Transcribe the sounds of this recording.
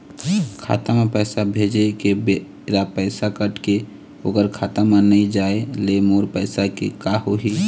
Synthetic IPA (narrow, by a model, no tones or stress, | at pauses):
kʰa̰ːt̪amẽpɛːsabʱeːd͡ʒekebe | ɾapɛːsakəʈke | oːɡəɾkʰaːt̪amãnəĩd͡ʒaːelemoːɾpɛɪsakekaɦoɦi